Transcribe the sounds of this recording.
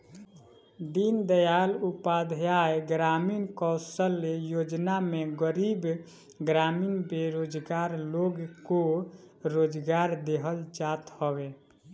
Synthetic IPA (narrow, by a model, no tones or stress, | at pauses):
d̪ind̪əjalupad̪ʱjaeɡɾaminkɔʊsəlːejod͡ʒnameɡəɾib | ɡɾaminbeɾod͡ʒɡaɾloɡko | ɾod͡ʒɡaɾd̪eɦəld͡ʒat̪hɔbe